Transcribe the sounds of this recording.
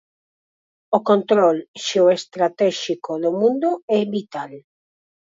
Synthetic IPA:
okont̪ɾolʃeoest̪ɾat̪ɛʃikoðomũnd̪oɛβit̪al

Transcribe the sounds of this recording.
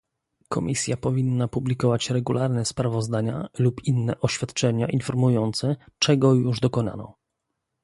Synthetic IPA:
kʰɔmʲisʲjapɔvʲinːapublʲikɔvat͡ɕɾɛɡulʔaɾnɛspɾavɔzd̪aɲa̰lupinːɛʔɔɕfʲjat̪t͡ʂɛɲaʔinfɔɾmujɔnt̪sɛt͡ʂɛɡɔjuʐd̪ɔkɔna̰nɔ̰

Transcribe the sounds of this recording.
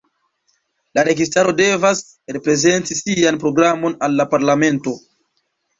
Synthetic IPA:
laɾe̞ɡistaɾo̞de̞vas | ɾe̞pɾe̞ze̞ntisianpɾo̞ɡɾamo̞nalːapaɾlame̞nto̞

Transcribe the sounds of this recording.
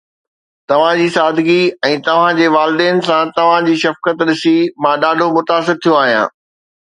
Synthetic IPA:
t̪ɐʋ̤ãd͡ʑiːsaːd̪ʱɡiɛ̃ːt̪ɐʋ̤ãd͡ʑeːʋaːlɪd̪eːnsãt̪ɐʋ̤ãd͡ʑiːʃɐfkət̪ɗɪsimãːɗaːɖʱomʊt̪aːs̬ɪɾt̪ʰijoaːɦijã̰ː

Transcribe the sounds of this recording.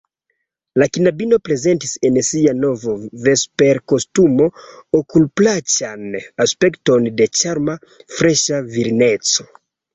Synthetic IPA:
lakinabinopɾezentisensianovovespeɾkostumookulplat͡ʃanaspektondet͡ʃaɾma | fɾeʃaviɾinet͡so

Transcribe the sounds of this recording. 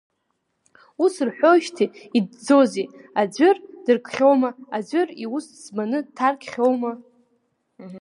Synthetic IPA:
usrħʷᶣoʃtʰiid̚d͡zozi | ad͡zʷʏrd̥ɨrkʼχʲo̞wmaad͡zʷʏrius | zmanɨtʰarkʲχʲo̞wma

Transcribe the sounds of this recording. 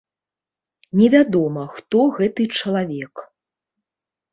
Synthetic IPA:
nʲɛvʲad̪ɔmɐxt̪ɔɣɛt̪ɨt͡ʂɐlˠavʲɛk

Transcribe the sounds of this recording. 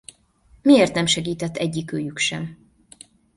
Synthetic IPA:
mieːrt̪nɛmʃɛɡiːt̪ɛt̪ʰːɛɟːikøːjykʃɛ̰m

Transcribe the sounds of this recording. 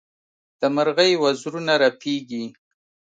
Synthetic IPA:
d̪̥əmaɾɣəjwazɾunaɾapʰiɡi

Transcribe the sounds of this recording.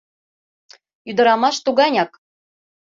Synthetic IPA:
yd̪ɤ̆ɾɑmɑʃt̪uɣɑnʲɑk

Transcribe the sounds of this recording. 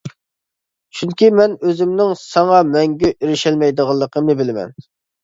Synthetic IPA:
t͡ʃʰyŋkʲimɛnøzɪmnɪŋsɑŋɑmɛŋɡʲyʔiɾɪʃɛlmɛjd̪əʁɑlˠːəqʰəmnɨbɪlɪmɛ̰n

